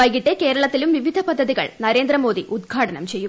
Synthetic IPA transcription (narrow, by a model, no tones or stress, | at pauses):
ɐjɣɪʈːekeːɾɐɭɐt̪ːɪlɯmʋɪʋɪd̪ʱɐpɐd̪ʱːɐðiɣɐ̰ɭnɐɾeːnd̪ɾɐmoːðiʔʊd̪̚ɡʱaːʈɐnɐ̰mt͡ɕɛjːɯ